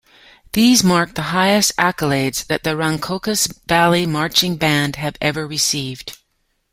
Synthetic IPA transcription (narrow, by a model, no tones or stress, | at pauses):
ðizmɑɹk̚ðəɦaɪɨstækəleɪdz̥ðɨt̪̚ðɨɹʌ̃ŋkʰoʊkɨsvælˠimɑɹt͡ʃɪ̃ŋbæ̃nd̥ɨvɛvə˞ɹɨsivd̥